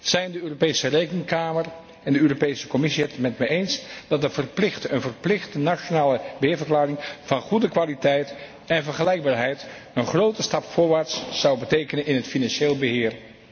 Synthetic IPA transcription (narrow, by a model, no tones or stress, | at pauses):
z̥ɛjndəøːropejsərejkəŋkaːmər | ɛndəøːropejsə̥kɔmɪsiɦɛtmɛtmɛjejnsd̥ɑtəv̥ərplɪχtəənvərplɪχtənaʃonaːləbəɦɪːɹvəɹklaːrɪŋvɑnχudəkʋaːlitɛjt | ɛnvəɹχəlɛjɡ̚baːɹɦɛjt | ənχrowtəstɑpfʊːɹʋaːɹtsːɑwbətejkənənɪnɦətfinɑnʃeːlˠbəɦɪːɹ